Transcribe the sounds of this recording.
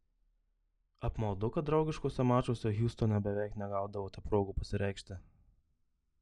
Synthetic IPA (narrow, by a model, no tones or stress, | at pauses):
ɐpmɐlˠd̪ʊkɐt̪̚d̪ɾɒʊɡʲɪʃkoːsʲɛmɑːt͡ʃoːsʲɛɣʲuːst̪oːnʲɛbʲɛʋʲæˑɪknʲɛɡɑˑʊd̪ɐʋoːt̪ʲɛpɾoːɡupɐsʲɪɾʲɛɪkʃʲt̪ʲɪ